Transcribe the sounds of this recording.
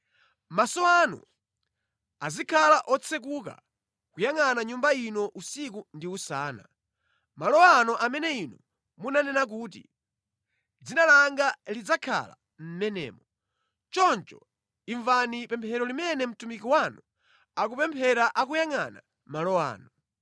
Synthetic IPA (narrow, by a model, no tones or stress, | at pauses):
masɔanṵ | azikʰalaʔɔt͡sʰɛk̬uka̰ | kujaŋanaɲumbainɔʔusikundiusaːna̰ | malɔwanɔʔamɛnɛinɔ | munanɛnak̬uːt̬ḭ | d͡zinalaŋɡalid͡zakʰa̰la̰ | m̩mɛnɛ̰ːmɔ | t͡ʃɔnt͡ʃɔ | iɱvanipɛmpʰɛɾɔlimɛnɛm̩tumikiwanu | ak̬upɛmpʰɛɾaʔak̬ujaŋana | malɔwa̰ːnɔ